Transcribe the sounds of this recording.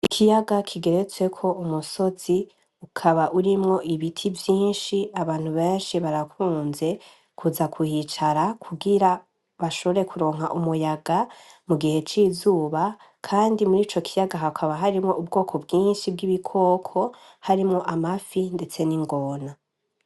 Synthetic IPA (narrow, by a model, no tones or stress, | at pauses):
ikʰijaɡakʰiɡe̞ɾe̞t͡swe̞kʰo̞umuso̞z̥i | ukʰaβaʔuɾimŋo̞ʔiβitʰivjiːnʃiaβaːn̥huβe̞ːnʃiβaɾakuːnze̞ | kʰuzakʰuhit͡ʃaɾakʰuɡiɾa | βaʃo̞βo̞ɾe̞kʰuɾo̞ːŋɦaʔumujaɡa | muɡihe̞t͡ʃizuːβa | kʰaːndimuɾiːt͡ʃo̞kʰijaɡaɦakʰaβaɦaɾimŋo̞ʔubɡo̞ːkʰo̞bɡiːnʃib̚ɡiβikʰo̞ːkʰo̞ | haɾimŋo̞ʔamafinde̞t͡se̞niŋɡo̞ːna